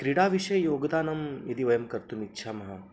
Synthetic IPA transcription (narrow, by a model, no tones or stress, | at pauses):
kɾiɽaːʋiʃɐjɐjoːɡd̪aːnɐmjɐd̪iʋɐjɐmkɐɾt̪unitːʃʰaːmɐɦɐ